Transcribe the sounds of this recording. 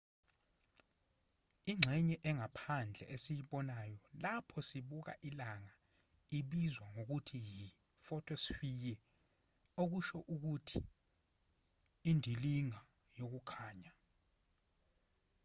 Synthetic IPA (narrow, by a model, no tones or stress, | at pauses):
iŋ͡ǁʱɛɲɛʔɛŋapʰand͡ɮʱɛ̰ʔesijiɓɔnajɔlapʰɔsiɓuk̬a̰ʔilaŋa | iɓizwaŋok̬utʰiji | fɔtʰɔsifikɛ | ok̬uʃɔʔuk̬utʰi | indʱiliŋa | jok̬ukʰaːɲa